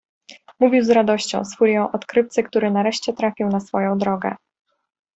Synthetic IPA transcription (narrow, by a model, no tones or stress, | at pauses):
muvʲiwzɾad̪ɔɕt͡ɕɔ̰̃w̃sfuɾʲjɔ̃w̃ʔɔt̪kɾɘft̪sɘkt̪uɾɘnaɾɛʂt͡ɕɛt̪ɾafʲiwnasfɔjɔ̃w̃d̪ɾɔɡɛ̰